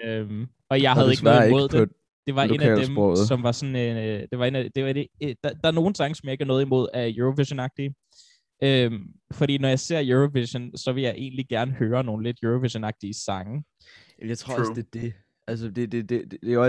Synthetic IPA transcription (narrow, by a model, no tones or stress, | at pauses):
øm | ɒ̽jɑ̈ɪɦæð̩ˠeɡ̥nɑɔðˠmo̝ð̞̰ˠde | d̥e̝ʋɑ̈ʔe̝nknæɛld̥esmbʁɔʊ̰ð̩ˠsɒ̽mʋɑ̈sɒ̽nd̥e̝ʋɑ̈e̝næd̥e̝ʋɑded̥ɑd̥ɑ̈æɐno̝ːn̩sɑ̈ŋəsɒmjɑ̈e̝ɡ̥ænɔ̽ːð̞̩ˠimo̝ð̞̰ˠæjuʁoʋiɕonɑ̈ɡ̥̚d̥i | ʔømfɒ̽dɾḭːnɒjɑ̈ɪse̝ɐ̰juʁoʋiɕonsɒ̽ʋe̝ljɑ̈ɪʔe̝̰ːnliɡ̥æɐnəhøːɐno̝ːn̩le̝d̥juʁoʋiɕonɑ̈ɡ̥̚d̥iəsɑ̈ŋə | jɑ̈ɪt͡sʰo̝ɐɒsd̥e̝d̥e | ælsəd̥ed̥ed̥e̥e